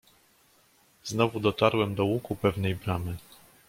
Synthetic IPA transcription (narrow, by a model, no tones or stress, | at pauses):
z̥nɔvud̪ɔt̪aɾwɛmd̪ɔwukupɛvnɛjbɾamɘ